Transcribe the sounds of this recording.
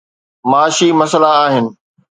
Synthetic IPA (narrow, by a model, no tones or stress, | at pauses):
maːʃimɐsəlaːɦɪnɪ̆